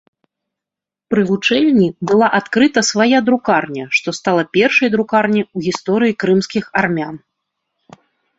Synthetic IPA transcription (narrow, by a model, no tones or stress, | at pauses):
pɾɨvut͡ʂɛlʲnʲibɨlˠaʔat̪kɾɨt̪ɐsvajad̪ɾukarnʲɐʂt̪ɔst̪alˠɐpʲɛrʂɐjd̪ɾukarnʲiuɣʲist̪ɔɾɨjikɾɨmsʲkʲixarmʲan